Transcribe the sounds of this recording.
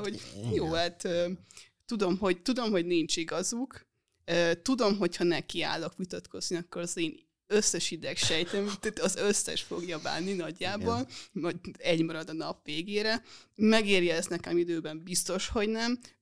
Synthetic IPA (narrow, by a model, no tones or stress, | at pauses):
hoɟjoːhat̪øː | t̪ud̪o̞mɦo̞ɟt̪ud̪o̞mɦo̞ɟniɲt͡ʃiɡɒzuk | øt̪ud̪o̞mɦo̞chɒnɛkia̰ːlːokʋit̪ɒt̪kʰo̞z̥niɒkːoɾɒzeːn | øsːɛʃid̪ɛkʃɛjt̪ɛmt̪at̪ɒzøsːɛ̰ʃfo̞ɡjɒba̰ːnːinɒɟːaːbonvɒd̪ɛɟmɒɾɒd̪ɒnɒpʋeːɡeːɾɛmɛɡeːrjɒɛsnɛkɛmid̪øːbɛmbist̪o̞ʃho̞ɟnɛm